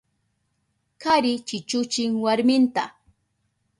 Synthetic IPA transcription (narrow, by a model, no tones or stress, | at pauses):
kaɾɪt͡ʃɪt͡ʃʊt͡ʃɪŋwaɾmɪnt̪a